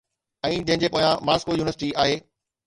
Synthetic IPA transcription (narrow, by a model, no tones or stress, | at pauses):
ɛ̃ːd͡ʑɐ̃ɦɪ̃ɲd͡ʑepoːjãmaːskojuːnɪəsɪʈiaːɦeː